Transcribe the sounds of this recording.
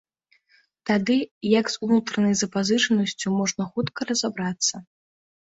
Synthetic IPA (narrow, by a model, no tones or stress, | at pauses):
t̪ad̪ɨjɐɡzunut̪ɾɐnɐjzɐpazɨʂɐnɐsʲt͡sʲumɔʐnɐxut̪kɐɾɐzabɾat̪sːɐ